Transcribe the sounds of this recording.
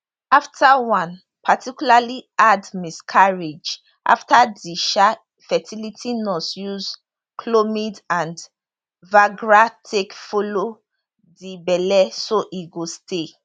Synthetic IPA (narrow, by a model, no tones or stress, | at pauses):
aftʰawãn | pʰatʰikjulaliadmiskʰaɹed͡ʒ | ʔa̰ftadiʃa | fɛtʰilitʰinɔsjuz | kʰlomidãnd | vaɡɹatʰekfolo | dibɛlɛsoʔiɡostʰe